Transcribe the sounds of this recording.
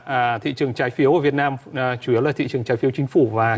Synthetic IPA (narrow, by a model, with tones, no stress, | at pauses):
t̪ʰḭ˧˨t͡ɕɨ˨˩əŋt͡ɕaː˨˦jfi˨˦əwvi˨˩ət̚naː˧mt͡ɕu˧˩i˨˦əwlaː˨˩t̪ʰḭ˧˨t͡ɕɨ˨˩ə˩ŋt͡ɕaː˨˦jfi˨˦əwt͡ɕï˨˦ŋ̟fu˧˩vaː˨˩